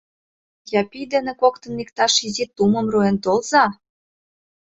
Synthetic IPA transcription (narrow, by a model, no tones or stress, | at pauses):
jɑpijd̪enekok̚t̪ə̆nːikt̪ɑʃizit̪umə̆mruent̪olzɑ